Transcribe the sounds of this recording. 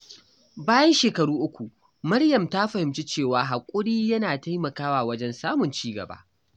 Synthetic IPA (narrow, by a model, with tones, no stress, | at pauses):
baː˦jɐ˦nʃeː˨kɐ˨ɽuː˦ʔʊ˦kʷu˨ | mɐ˦ɽjɐ˨mta˦ɸɐ˨hɪ˨mt͡ʃi˦t͡ʃeː˦˨waː˦ɦa˨kʷʼʊ˦ɽiː˦jɐ˦naː˨ta˦jmɐ˨kaː˦waː˨wɐ˦d͡ʒɛ˦nsaː˦mʊ˨nt͡ʃiː˦ɡɐ̰˨ba̰ː˦ʔ